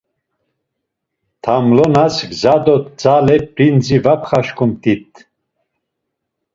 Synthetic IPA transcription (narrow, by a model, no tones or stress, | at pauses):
t̪ʰamlɔnasɡzad̪ɔt̪d͡zalɛpɾind͡zivapʰχaʃkʰumt̪ʼit̪ʰ